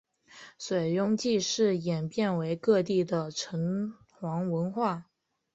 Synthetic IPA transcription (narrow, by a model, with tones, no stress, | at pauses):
swe˨˩ɪjʊ˥ŋt͡ɕi˥˧ʂɻ̩˥˩jɛ˨˩npjɛ˥˩nwe˧˥ɪkɤ˥˧t̪i˥˩d̪ə˩ʈ͡ʂʰɤ˧˥ŋ | xwɑ˧˥ŋwə˧˥nxwa˥˩